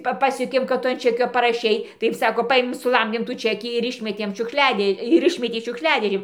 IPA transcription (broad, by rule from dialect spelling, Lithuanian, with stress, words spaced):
ˈpɐ ˈpɑːsʲjuɔkʲeːm kɐt ˈtʊ ɐn ˈt͡ʃʲæːkʲoː pɐrɐˈʃʲɛɪ ˈtɐɪp ˈsɑːkoː ˈpɐeːmʲeːm sʊˈlˠɐmʲdʲeːm tuː ˈt͡ʃʲæːkʲiː ɪr ˈɪʃʲmʲɛtʲeːm ʃʲʊkˈʃʲlʲæːdʲeː ɪr ˈɪʃʲmʲɛtʲeː ʃʲʊkʃʲˈlʲæːdʲeːʒʲeːn